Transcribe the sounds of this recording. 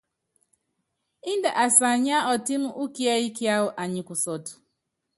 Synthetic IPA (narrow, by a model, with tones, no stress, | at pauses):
i˦n˦de˨ʔa˨sa˨ɲ˦a˦ɔ˨ti˦m̩˦ʔu˦ki˦a˦i˦ki˦a˦ɦʊ˦ʔa˨ɲɪ˨kʷʊ˨sɔ˨tʊ̥˨